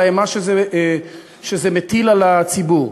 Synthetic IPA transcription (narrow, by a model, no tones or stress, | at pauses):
ajamaʃeze | ʃezemet̪ilalat͡sibuʁ